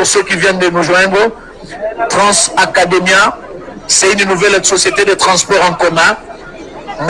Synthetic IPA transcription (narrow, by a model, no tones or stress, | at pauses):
uʁsøkivjɛ̃nd̪ənuʒwɛ̃nd̪ʁə | t̪χɑ̃sakad̪emja | sɛynnuvɛlsɔsjet̪ed̪ət̪χɑ̃spɔʁɑ̃kɔmɛ̃ | m